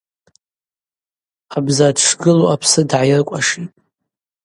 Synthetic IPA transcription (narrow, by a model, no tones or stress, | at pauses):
abzadʂɡɨloapʰsɨdʕajɪrkʷʼaʂitʼ